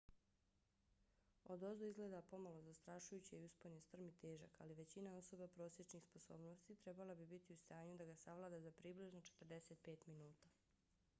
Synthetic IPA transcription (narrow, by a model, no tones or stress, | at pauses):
o̞d̪o̞zoizɡle̞ːd̪apo̞malo̞zast̪ɾaʃujut͡ɕiiuspoɲest̪r̩mit̪eːʒa̰ka̰liʋe̞t͡ɕinao̞so̞bapɾo̞ːsje̞t͡ʃnixsposo̞ːbnost̪it̪ɾe̞balˠabibit̪iust̪aːɲud̪aɡasaʋlˠaːd̪azapɾibliʒnot͡ʃet̪r̩d̪e̞se̞t̪̚pe̞ːt̪minuːt̪a